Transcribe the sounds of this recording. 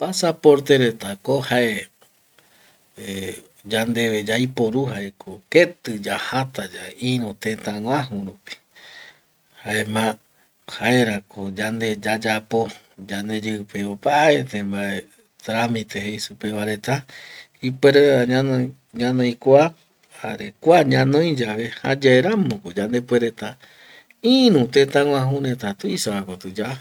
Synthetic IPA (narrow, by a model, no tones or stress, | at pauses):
pasapo̞ɾt̪eɾet̪akohaʔe | e | d͡ʒand̪e̞ʋed͡ʒajpo̞ɾuɦaʔekʰoket̪ɨd͡ʒahat̪ad͡ʒaĩɾot̪ẽt̪ãŋʷãɦũɾupi̥ | haemã | haeɾakod͡ʒand̪e̞d͡ʒad͡ʒapo̞ | d͡ʒand̪e̞d͡ʒeɨpeopaet̪ẽmbae | t̪ɾamĩt̪eɦeisupeʋaɾe̞t̪a | ipweɾeaɲano | ɲãnõĩkʷa | haɾekʷaɲãnõĩd͡ʒaβeha̰d͡ʒaeɾãmõkod͡ʒand̪epweɾet̪a | ĩɾũt̪ẽt̪ãŋʷãɦũɾẽt̪at̪uisaakot̪ɨd͡ʒa